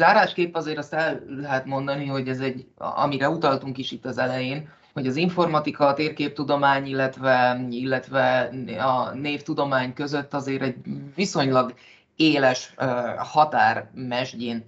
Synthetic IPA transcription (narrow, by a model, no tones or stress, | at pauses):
zaːɾaːʃkeːpːɒzeːɾɒst̪ɛlːɛɦɛt̪mo̞nd̪ɒniho̞ɟɛzɛɟɒ̰miɾɛut̪ɒlt̪uŋkiʃit̪ːɒzɛlɛjeːn | ho̞ɟɒziɱfo̞rmɒt̪ikɒt̪eːrkeːp̚t̪ud̪o̞maːɲilːɛt̪vɛilːɛt̪ʋɛɒneːft̪ud̪o̞maːɲkø̞zø̞t̪ːɒzeːɾɛɟviso̞ɲlɒɡ | eːlɛʃhɒt̪aːrmɛʒɟeːn